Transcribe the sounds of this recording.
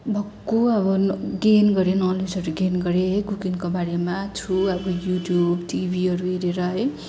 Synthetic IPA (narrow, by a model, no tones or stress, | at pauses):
bʱʌkːuʌbʌnɡenɡʌɾenʌled͡zʌɾuɡenɡʌɾeɦkukinkobaɾemat͡sʰuʌbʌjuʈjubʈibʱiʌɾueɾeɾʌɦʌ